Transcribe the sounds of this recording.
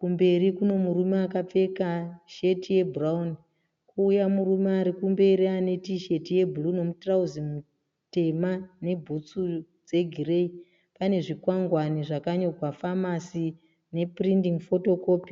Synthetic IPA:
kumbe̞ɾikuno̞muɾumeakap͡fe̞kaʃe̞tije̞bʱuraun | kʰuːjamurumeaɾikumbe̞ɾiane̞tiʃe̞tije̞bʱuluno̞mutrauzimu | te̞mane̞bʱut͡su | d͡ze̞ɡʱire̞i | pane̞ʐikwaŋɡwaniʐakaɲo̞ɡʱwafamasi | ne̞prindiŋfo̞to̞koːp

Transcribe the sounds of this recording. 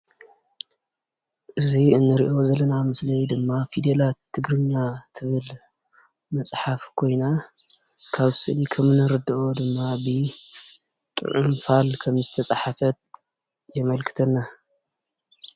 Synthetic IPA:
ʔɨziɨnːɨɾḭʔo̞zɐlːɐnamɨslɐjd̪ɨmːafid̪elat̪ʰːɨɡɾɨɲːat̪ʰɨβɨl | mɐsʼħafkʰo̞jna | kʰaβsɨʔlikʰɐmnɐɾɨd̪ɐʔo̞d̪ɨmːabɨ | t̪ʼɨ̰ʕumfalkʰɐmzɨt̪ʰɐt͡sʼaħafɐt̪̚ | jɛmɐlkʰɨ̥t̪ʰɐnːa

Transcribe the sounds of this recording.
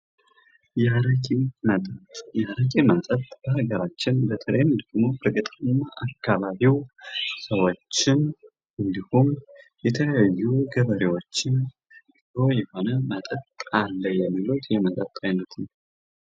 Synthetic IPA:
jaɾəkʼemət̪ʼət̪jaɾəkʼemənt̪ʼət̪ʼb̥əhaɡəɾat͡ʃːɪnbət̪ʰələjmd̪əɡmo̞fɨɾkʼət̪ʼɨnːaʔakʰːaβaβiwsəwo̞t͡ʃːɪn | ʔɨnd̪ihum | jɛt̪ʰələjajːuɡəβəɾewo̞t͡ʃːɪn | io̞jɛho̞nəmət̪ʼət̪ʼːalːəjɛmːilut̪jɛmət̪ʼət̪ʼːajnːət̪nəw

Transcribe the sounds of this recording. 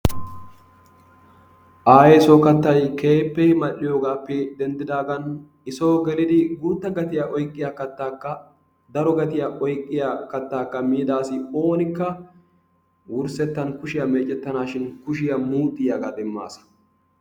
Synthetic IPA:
ʔaːjɛsoːkɐt̪ːɐjke̞ːpːɛjmɐʔːɪjoːɡaːpːɛd̪ɛnd̪ɪd̪aːɡɐn | ɪso̞ːɡɛlɪd̪ɪɡuːt̪ːɐɡɐt̪ɪjaʔɔjkʼːɪjakɐt̪ːaːkːɐ | d̪ɐɾɔɡɐt̪ɪjaʔɔjkʼːɪjakɐt̪ːaːkːɐmiːd̪aːsɪo̞ːnɪkːɐ | wʊɾsɛt̪ːɐnkʊʃɪjɐmeːt͡ʃʼːɛt̪ːɐnaːʃɪnkʊʃ̬ɪjɐmuːt̪ʼːɪjɐɡad̪ɛmːa̰ːsɐ̥

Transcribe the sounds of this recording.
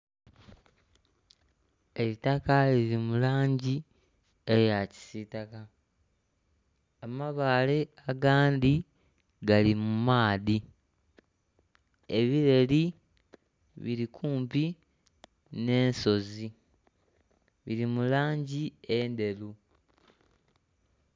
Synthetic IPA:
e̞βitakaliɾimulaːɲɟi | ejaci̥sitaka | maβaːle̞aɡaːndi | ɡalimumaːði | e̞βiɾe̞li | βiɾikʰuːmpi | ne̞ːnso̞zi | βiɾimulaːɲɟiende̞lu

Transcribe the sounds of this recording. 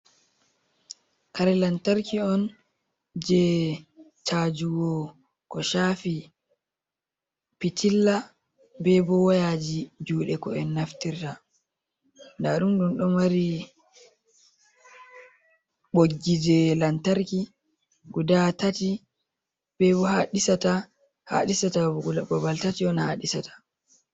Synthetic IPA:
kaɾɛlantaɾkiɔn | d͡ʒɛ | t͡ʃad͡ʒuwɔ | kɔʃaːfi | pitilːa | bɛbɔwajad͡ʒid͡ʒuːɗɛkɔɛnːaftiɾta | ndaɗumɗunɗɔmaɾi | ɓoɡːid͡ʒɛlantaɾki | ɡudatati | b̥ɛbɔhaɗisata | ha̰ɗisataɡuababaltatiɔnhaɗisatḁ

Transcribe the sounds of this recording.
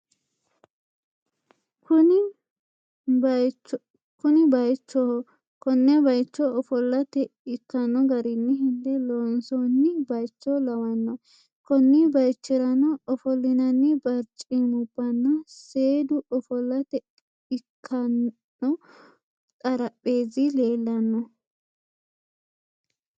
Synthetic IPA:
ʊ | kʊnɪbɐjt͡ʃːɔɔ | kɔnːɛbɐjt͡ʃːɔɔfɔlːɐt̪ɛɪkːɐnːɔɡɐɾɪnːɪɦɪnd̪ɛloːnsonːɪbɐjt͡ʃːɔlɐwɐnːɔ | kɔnːɪbɐjt͡ʃːɪɾɐnɔːfɔlːɪnɐnːɪbɐɾt͡ʃʼimʊbːɐnːɔse̞ːd̪ʊɔfɔlːɐt̪ɛ | ɪkʰːɐn | ɔ | t̪ʼɐɾɐpʼːe̞ːzɪle̞ːlːɐnːɔ

